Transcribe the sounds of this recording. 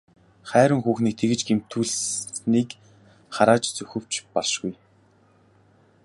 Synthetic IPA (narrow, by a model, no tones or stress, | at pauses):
χæːɾwə̆ŋxuːxniːk̚t̪ʰeɣɘ̆t͡ɕɡem̥t̪ʰuːɮniːk | χaɾaːt͡ɕt͡sɵxɘ̆w̥t͡ɕpɔɮʃɡuj